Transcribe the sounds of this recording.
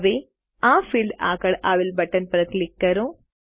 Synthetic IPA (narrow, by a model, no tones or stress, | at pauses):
ʋe | aːfʰilɖa̰ːkɐɽʔaːʋilbɐʈːɐnpɾɐklikːɐɾõː